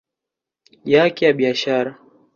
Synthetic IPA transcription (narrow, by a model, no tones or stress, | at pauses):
jakɛjaɓiaʃaɾa